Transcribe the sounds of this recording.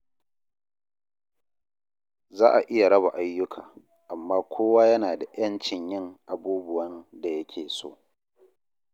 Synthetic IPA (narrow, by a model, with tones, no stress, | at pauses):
zaː˦ʔa˨ʔɪ˦ja˨ɽɐ˦ba˨ʔa˦jːʊ˦kʰa̰ː˨ | ʔa˨mːaː˦kʷʰoː˦waː˦jɐ˦naː˨da˨jɐ˦nt͡ʃɪ˨ɲjɪ˦ŋʔa˨buː˦bʊ˨wɐ˦nda˨jɐ˦kʲʰeː˨so̰ː˦